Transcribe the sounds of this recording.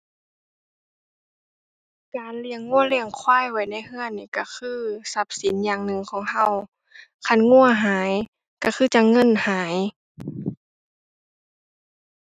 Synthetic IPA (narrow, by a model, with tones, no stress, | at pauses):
kaː˨nli˧əŋːu˧˥˨ə˨li˧˩əŋkʰwaː˧˥˩jwa˧˩jna˧˩˨jhɯ˧˥˨ənːiː˧˩ka˧˩kʰɯː˧˥˨sa˧˦˥p̚si˨˦njaː˨˩ŋnɯ˨˧˨ŋkʰɔː˨˦ŋɦa˧˥˩w | kʰa˧˥˨nŋu˧˥˨ɐɦaː˨˦j | ka˧˩xʰɯː˧˥˩t͡ɕa˧˥ŋɤ˧˥˨nhaː˩˨˦j